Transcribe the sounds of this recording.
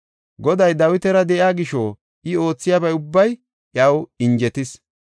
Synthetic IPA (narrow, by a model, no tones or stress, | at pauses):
ɡɔd̪ɐjd̪ɐwɪt̪ɛɾɐd̪ɛʔɪaːɡɪʃoː | ɪo̞ːt͡sːɪjaːbɐjʊbːɐj | ʔɐwɪnd͡ʒɛt̪ɪs